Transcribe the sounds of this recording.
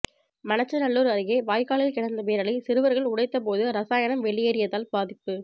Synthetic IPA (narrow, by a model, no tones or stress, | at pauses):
mɐnɐt͡ʃːɐnɐɭːuːɾɐɾɪɣeːʋaːjkaːɭɪlkɪɽɐnd̪ɐpeːɾɐɭɪsɪɾɯʋɐɾɣɐɭʊɽɐɪt̪ːɐp̬oːðɯɾɐsaːjɐnɐmʋɛɭːɪjeːɾɪjɐðaːlbaːðɪpːɯ